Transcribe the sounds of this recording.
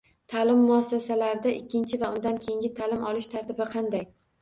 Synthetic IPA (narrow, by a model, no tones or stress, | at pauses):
t̪ʰaːlɪmːʊasːasalaɾɪd̪aʔɪkʲʰːɪnt͡ʃʰɪvaʊnd̪ankʲʰejɪŋɡʲɪt̪ʰalɪmʔɒlɪʃt̪ʰaɾt̪ɪbɪqʰɑnd̪aj